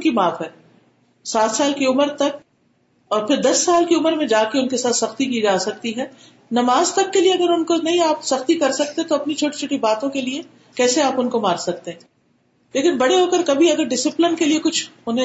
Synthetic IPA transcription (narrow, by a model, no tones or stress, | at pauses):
kimaːfɦɛː | saːt̪saːlkiʊməɾt̪ɐk̚ | ɔːɾpʰɪɾd̪ɐsːaːlkiʊməɾmẽd͡ʒaːkeʊnkesaːt̪sɐxt̪ikid͡ʒaːsɐk̚t̪iɦɛː | nɐmaːzt̪ɐkːelieɐɡəɾʊnkonɐɦĩaːpsɐxt̪ikɐɾsɐk̚t̪ẽt̪oɐpnit͡ʃʰoːʈi̥t͡ʃʰoːʈibaːt̪õkelie | kɛːseaːpʊnkomaːɾsɐk̚t̪eɦɛ̃ | leːkɪnbɐɽeɦoːkəɾkɐbʱiɐɡəɾɖɪsɪplɪnkeliekʊt͡ʃʰʊnɦẽ